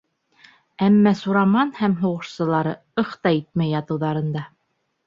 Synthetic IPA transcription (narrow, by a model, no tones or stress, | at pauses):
æmːæsuɾɑmɑnhæmɦuʁɤ̆ʃsɤ̆lˠɑɾɤ | ɤχt̪ɑit̪̚mæjːɑt̪ɤ̆wðɑɾɤ̆nd̪ɑ